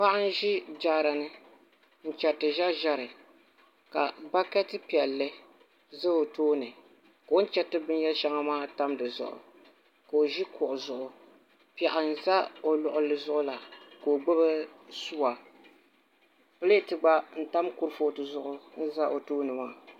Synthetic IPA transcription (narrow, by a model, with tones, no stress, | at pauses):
pa˦ʔa˦n̩˦ʒi˦d͡ʒa˦˨ɾa˨nɨ˦ | n̩˦˨t͡ʃɛ˨tɨ˨ʒa˦ʒa˦ɾɨ˨ | ka˨ba˦kɛ˦tɨ˦pi˨ɛ˨lːɨ˦ | zɨ˦o˨toː˦nɨ˨ | ka˨wo˦n˦t͡ʃɛ˦tɨ˦bɨ˦n˦jɛ˦lʃa˦ŋa˦maː˦ta˦mdɨ˨zʊ̰˨ʔʊ̰˨ | ka˨o˨ʒi˦kʊ˨ʔʊ˨zʊ˨ʔʊ˨ | pɛ˨ʔa˨n̩˨za˦o˨lʊ˨ʔʊ˨lɨ˦zʊ˦ʔʊ˦la˨ko˨o˨ɡ͡bɨ˦bɨ˦su˦wa˨ | pɨ˦le˦˨tɨ˨ɡ͡ba˦n̩˦ta˦mku˦ɾfoː˦tɨ˨zʊ˦ʔʊ˦n̩˦za˦ʔo˨toː˦nɨ˨ma˦